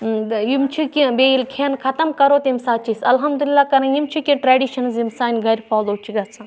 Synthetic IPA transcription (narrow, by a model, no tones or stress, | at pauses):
jimt͡ʃʰikibeːilkʰeːnkʰɐt̪ɐmkɐɾoːt̪imsaːt͡ʃʰisɐlɦɐmd̪ulilːaːkɐɾɐ̃jimt͡ʃʰikʲĩʈɾaːɖiːʃɐnzimsaːnʲɡɐɾʲfaːloːt͡ʃʰiɡɐsʰãː